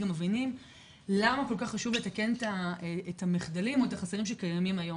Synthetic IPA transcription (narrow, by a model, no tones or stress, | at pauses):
ɡamːevinim | lamako̞lkaχːaʃuvletake̞netaeetamiχdalimo̞etaχaseʁimʃekajamimajo̞